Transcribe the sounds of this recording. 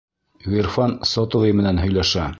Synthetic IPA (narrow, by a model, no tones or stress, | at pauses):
ɣirfɑnsot̪ovejmɘ̆nænɦɵ̆jlæʃæ